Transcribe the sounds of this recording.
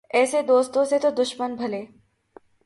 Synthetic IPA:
ɛːsed̪oːst̪õset̪od̪ʊʃmənbʱɐleː

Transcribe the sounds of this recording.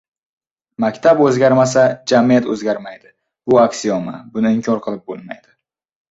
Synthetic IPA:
makʲt̪ʰabɵzɡʲaɾmas̬ad͡ʒamijat̪ɵzɡʲaɾmajd̪ɪ | bʊakʲsiɒmabʊnɪɪmkʰʲɒɾqʰɨlˠɪp̚bolˠma̰jd̪̥ɪ

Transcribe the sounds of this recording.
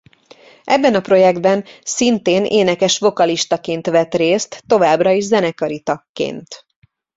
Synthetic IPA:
ʔɛbːɛnɒpro̞jɛɡd̪bɛnsint̪eːneːnɛkɛʃvo̞kɒliʃt̪ɒkeːnt̪ʋɛt̪reːst̪ːo̞vaːbrɒiʒzɛnɛkɒɾit̪ɒkːḛːnt̪

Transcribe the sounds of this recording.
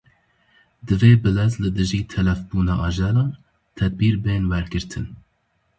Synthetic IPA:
d̪ɨveːbɨlɛzlɨd̪ɨʒiːt̪ʰɛlɛfbuːnɑːʔɑʒɛlɑːn | t̪ʰɛd̪̚biːɾbeːnwɛɾɡɨɾt̪ʰɨn

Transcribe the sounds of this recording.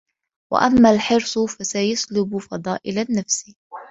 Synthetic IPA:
wa̰ʔamːaːlħɪɾsˤfasajaslʊbʊfɑd̪ˤɑːʔɪlanːafsɪ

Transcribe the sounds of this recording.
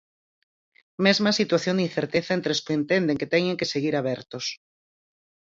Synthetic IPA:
mezmasit̪waθjoniθeɾt̪eθaent̪ɾeskoent̪end̪eŋket̪eɲẽŋkeseɣ̞iɾaβ̞ɛɾt̪os

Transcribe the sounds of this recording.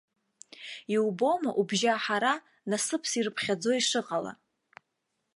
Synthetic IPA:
iwbo̞maʔubʒaħaɾa | nasɨpʰsirɨpʰχʲad͡zo̞iʂɨqʼala̰

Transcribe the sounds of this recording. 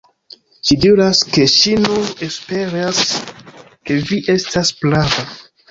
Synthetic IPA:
ʃidiɾaske̞ʃinune̞spe̞ɾas | ke̞viʔe̞stasplava

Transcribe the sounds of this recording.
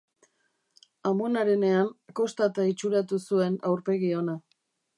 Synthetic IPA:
amonaɾe̞ne̞aŋko̞st̪at̪ait͡ʃuɾat̪usue̞nawɾpe̞ɣio̞na

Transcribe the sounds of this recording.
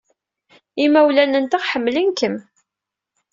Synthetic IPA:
imæwlænənt̪əʁħəmːlinkəm

